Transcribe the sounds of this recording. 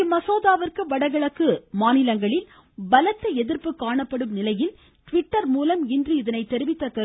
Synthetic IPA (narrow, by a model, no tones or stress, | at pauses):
mɐsoːðaːʋɐrkɯʋɐɽɐɣɐɭɐkːɯmaːnɪlɐŋɡɐɭɪl | bɐlɐt̪ːɐɛðɪrpɯkːaːɳɐpːɐɽɯmnɪlɐjɪl | ʈʋɪʈːɐɾmuːlɐmɪndrɯɪðɐnɐɪt̪ːɛɾɪʋɪt̪ːɐt̪ːɐ